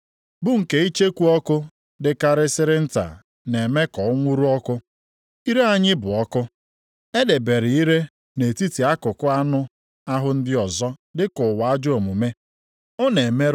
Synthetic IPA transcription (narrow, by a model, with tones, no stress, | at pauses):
bʊ˦ŋ̩˨ke˦i˦t͡ʃe˦kʷu˦ɔ˦kʊ˦ | dɪ˨ka˨ɾɪ˦sɪ˦ɾɪ˦n̩˦ta̰˨ | ne˨me˦kɔ˨ʊ˦ŋʷu˦ɾu˦ɔ˦kʊ˦ | i˦ɾe˦a˦ɲɪ˦bʊ˨ɔ˦kʊ˦ | e˦de˨be˨ɾɪ˨i˦ɾe˦ | ne˨ti˦ti˨a˦kʊ˨kʊ˦a˦nʊ˦ | a˦ɦʊ˦n̩˦dɪ˦ɔ˨zɔ˦dɪ˦kʊ˨wa˨a˦d͡ʒʊ˦o˨mu˨me˦ | ʊ˦ne˨me˦